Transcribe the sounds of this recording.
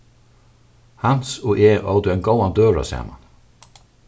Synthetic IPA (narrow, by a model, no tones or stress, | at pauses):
hansuʔeːʔo̰wd̪uɛnɡowand̪øːɹa̰sa̰ːma̰n